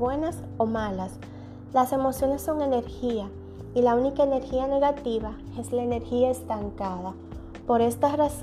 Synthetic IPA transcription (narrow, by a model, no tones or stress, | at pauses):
we̞nas | o̞malas | lase̞mo̞sjo̞ne̞sːo̞ŋe̞ne̞ɾxia | ilaunikaene̞ɾxiane̞ɣat̪iβa | e̞zlaene̞ɾxiae̞st̪aŋkaða | po̞ɾe̞st̪aras